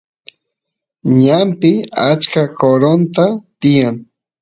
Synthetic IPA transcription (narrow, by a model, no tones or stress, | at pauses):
ɲampɪat͡ʃkakoɾont̪at̪ɪjaŋ